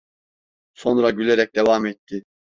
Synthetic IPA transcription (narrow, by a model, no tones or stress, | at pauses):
so̞nɾaɟylʲeɾɛc̚d̪evamɛt̪ʰːɪ